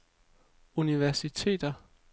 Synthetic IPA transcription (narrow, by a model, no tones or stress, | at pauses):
uniʋæɐsit͡sʰe̝̰ːd̥ɐ